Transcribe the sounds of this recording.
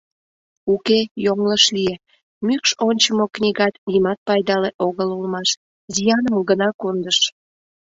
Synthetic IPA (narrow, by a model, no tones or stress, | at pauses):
ukejoŋləʃlie | mykʃonʲt͡ɕəmoknʲiɣɑt̪nimɑt̪̚pɑjd̪ɑleʔoɣəlulmɑʃ | zijɑnəmɡənɑkond̪əʃ